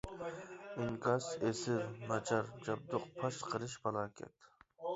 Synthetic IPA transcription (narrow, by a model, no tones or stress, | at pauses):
ɪŋkʰɑsesɪvmɑt͡ʃʰɑɾd͡ʒɑb̚d̪ʊqpʰɑʃqʰəɾɨʃbɑlˠɑːkʲʰɛ̰t̪ʰ